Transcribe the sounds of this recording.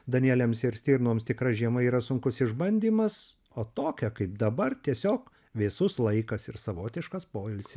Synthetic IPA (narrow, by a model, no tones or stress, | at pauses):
d̪ɐnʲiæːlʲɛmsɪɾsʲt̪ʲiːɾnoːmst̪ʲɪkɾɐʒʲiɛmɐiːɾɐsʊŋkʊsɪʒbɐnʲd̪ʲiːmɐs | oːt̪oːkʲɛkɐɪp̚d̪ɐbɐrt̪ʲiɛsʲoːk | ʋʲɪsʊslˠɐɪkɐsɪɾsɐʋoːt̪ʲɪʃkɐspoːɪlʲsʲɪ